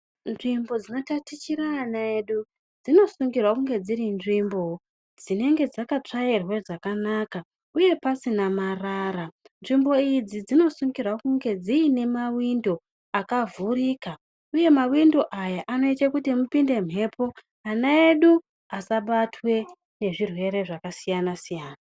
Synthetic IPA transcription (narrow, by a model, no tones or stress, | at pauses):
nʐimbo̞d͡zino̞tatit͡ʃiɾaːnaeɗu | d͡zino̞suŋɡirwakuŋɡe̞d͡zirinʐimbo̞ | d͡zine̞ŋɡe̞d͡zakat͡ʂairwe̞ʐakanaka | uje̞pasinamarara | nʐimbo̞id͡zid͡zino̞suŋɡirwakuŋɡe̞d͡ziine̞mawindo̞ | akavuriːka | uje̞mawindo̞ʔajaʔano̞it͡ʃe̞kutimupinde̞m̤ɦe̞ːpʰo̞ | anaeɗu | asaɓatʰwe̞ | ne̞ʐirwe̞ɾe̞ʐakasijanasijaːna